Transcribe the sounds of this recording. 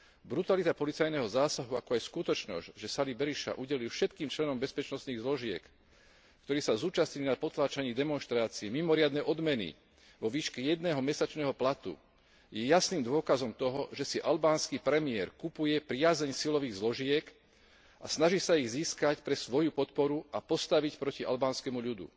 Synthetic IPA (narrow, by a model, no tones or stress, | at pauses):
bɾut̪alit̪apɔlit͡sajnɛɦɔzaːsaɦuakɔajskut̪ɔt͡ʃnɔ̰zɟʒɛsalibɛɾiʃa̰ʔuɟɛlilfʃɛt̪kiːmt͡ʃlɛnɔmbɛspɛt͡ʃnɔst̪niːɣzlɔʒɪɛ̰kː | t̪ɔɾiːsazuːt͡ʃasɲilnapɔt̪laːt͡ʃaɲiːd̪ɛmɔnʃt̪ɾaːt͡siɛmimɔɾɪad̪nɛʔɔd̪mɛnḭ | ʋɔʋiːʃkɛjɛd̪nɛːɦɔmɛsat͡ʃnɛːɦɔplat̪ṵ | jɛjasniːmd̪ʊɔkazɔmt̪ɔɦɔʒɛsiʔalbaːnskiːpɾɛmɪɛɾkupujɛpɾɪazɛɲsilɔʋiːɣzlɔʒɪɛk | ʔasnaʒisaiɣziːskacpɾɛsʋɔjupɔt̪pɔɾuʔapɔst̪aʋicpɾɔciʔa̰lbaːnskɛmuʎud̪ṵ